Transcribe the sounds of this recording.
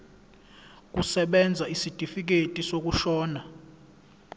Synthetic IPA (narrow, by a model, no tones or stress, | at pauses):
k̬ʼusɛɓɛnd͡zʱaisid̥ʼʱifik̬etʼisok̬uʃɔːna